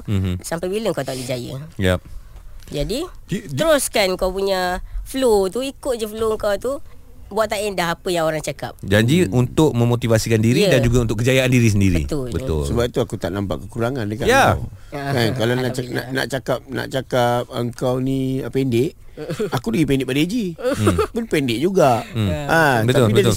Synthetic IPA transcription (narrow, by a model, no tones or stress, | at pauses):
m̩sampajbiləŋkawt̪aʔlid͡ʒajə̰jap̚d͡ʒadiəɾoskanŋkawpuɲəflot̪uikʊt̪̚d͡ʒəfloŋkawt̪u | buat̪ʔ̪̚t̪aendaɦapəjaŋoɾaŋt͡ʃakap̚d͡ʒaɲd͡ʒiunt̪ʊk̚mə̃mot̪ivasikandiɾidand͡ʒuɡaunt̪ʊʔkəd͡ʒajaandiɾis̬əndiɾəḭt̪ʊbət̪ʊ̰lsəbapit̪uakut̪a̰ʔnampa̰ʔkəkuɾaŋandəkajaa̰kankalanaʔna̰na̰ʔt͡ʃakap̚na̰ʔt͡ʃakap̚əŋkawnĩəpɛndɪʔ | akudəɡipɛndɪʔ̚padad͡ʒipunpɛndɪʔ̚d͡ʒuɡaʔmabət̪aʊlibətl